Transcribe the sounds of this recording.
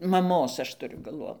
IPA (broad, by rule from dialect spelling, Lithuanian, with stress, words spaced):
mɐˈmoːs ˈɐʃ tʊˈrʲʊ ɡɐlˠˈʋoːn